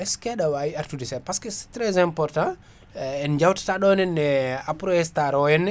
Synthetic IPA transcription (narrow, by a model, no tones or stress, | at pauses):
ɛskɛɗawaiaɾtudɛsɛpaskɛsɛ̥tɾɛzɛmpɔɾtã | ɛnd͡ʒawtḁtaɗɔnɛnːɛapɾɔhɛstaɾɔjɛnːɛ